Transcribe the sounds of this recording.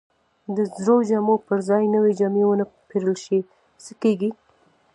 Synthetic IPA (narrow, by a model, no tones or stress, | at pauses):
d̪əzɾod͡ʒamopəɾzɑjnəwed͡ʒɑmewənəpeɾəlʃi | səkeɡi